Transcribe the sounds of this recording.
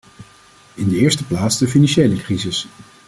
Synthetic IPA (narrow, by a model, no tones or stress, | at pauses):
ɪndəɪːɹstəplaːtzdəfinɑnʃejləkrizɪs